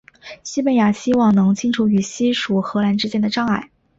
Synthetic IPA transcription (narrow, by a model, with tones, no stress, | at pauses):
ɕi˥pə˧˥˩nja˨˩ɕi˥wɑ˥˩ŋnɤ˧˥ŋt͡ɕʰi˥nʈ͡ʂʰu˧˥y˨˩ɕi˥ʂu˨˩xɤ˧˥la˧˥nʈ͡ʂɻ̩˥t͡ɕjɛ˥nd̪ə˨ʈ͡ʂɑ˥ŋa˥˩ɪ